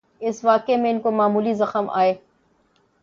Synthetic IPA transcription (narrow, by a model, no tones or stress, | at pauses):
ɪsʋaːkemẽɪnkomaːmuːlizɐxəmʔa̰ːeː